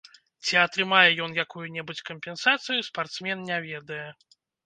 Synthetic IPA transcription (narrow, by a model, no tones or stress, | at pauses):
t͡sʲiɐt̪ɾɨmajɛjɔnjakujunʲɛbut͡sʲkəmʲpʲɛnsat̪sɨjuspart̪smʲɛnnʲɛvʲɛd̪ɐjɛ